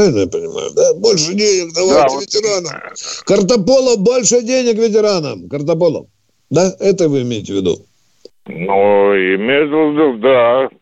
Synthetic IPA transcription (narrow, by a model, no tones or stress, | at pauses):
ɪlʲnəjapənʲɪma̰jʊ̰d̪abo̞lʲʂɨdʲenʲɪknɐvaɪtvʲɪtʲɪɾanəmkərt̪ɐpolˠəbo̞lʲʂɨdʲenʲɪkvʲɪt̬ʲɪɾanəmkərt̪ɐp̬olˠə̰ | d̪aɛt̪əɪvɨɪmʲeɪtʲɪvʲɪd̪ṵ | nuiɪmʲezd̪ʊzd̪ɨd̪a